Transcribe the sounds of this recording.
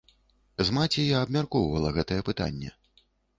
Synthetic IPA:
zmat͡sʲɛjaːbmʲarkɔwvɐlˠɐɣɛt̪ɐjɛpɨt̪a̰nʲːɛ̰

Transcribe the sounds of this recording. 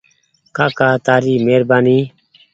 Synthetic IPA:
kaːkaːt̪aːɾiːmeːɾbaːniː

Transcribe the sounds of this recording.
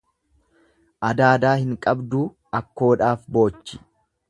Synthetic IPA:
ʔɐd̪aːd̪aːhɪŋkʼɐbd̪uː | ɐkːo̞ːᶑaːfbo̞ːt͡ʃːɪ̥

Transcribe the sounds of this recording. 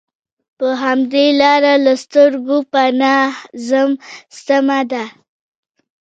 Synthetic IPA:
pəɦamd̪elɑɾalast̪əɾɡopanɑzəmst̪amad̪a

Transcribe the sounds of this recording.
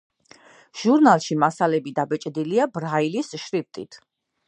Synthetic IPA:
ʒ̥uɾnalˠʃimasalɛbid̪abɛt͡ʃʼd̪iliabɾailisʃɾift̪ʼḭt̪ʰ

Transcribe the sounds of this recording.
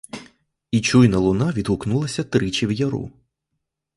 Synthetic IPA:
it͡ʃujnɐlˠʊnɑʋʲid̪ɦʊknulˠɐsʲɐt̪ɾɪt͡ʃiwjɐɾṵ

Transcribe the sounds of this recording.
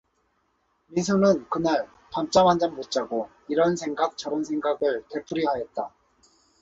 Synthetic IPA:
minsʰunɯnkɯnaɭ | pamt͡ɕ͈amɦand͡ʑammot͡ɕ͈aɡo | iɾʌnsʰe̞ŋɡak̚t͡ɕ͈ʌɾʌns̬ʰe̞ŋɡaɡɯɭte̞p͈ʰɯɾiɦajet̚t͈a

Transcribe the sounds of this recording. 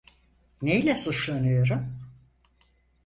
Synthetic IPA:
nejlʲɛsut͡ʃlˠanɯjo̞ɾum

